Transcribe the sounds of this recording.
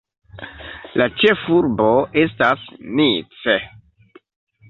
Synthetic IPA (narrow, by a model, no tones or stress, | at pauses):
lat͡ʃe̞fuɾbo̞e̞stasnit͡se